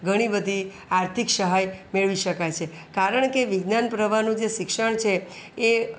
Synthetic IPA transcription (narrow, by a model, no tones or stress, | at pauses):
ɡʱəɽ̃ibəd̪ʱi | aɾt̪ʰikʃəɦajmeɭʋiʃəkajt͡ʃʰe | kaɾəɳkeʋɪɡnanpɾəʋanũd͡ʒeʃɪkʃəɳ̃t͡ʃʰeː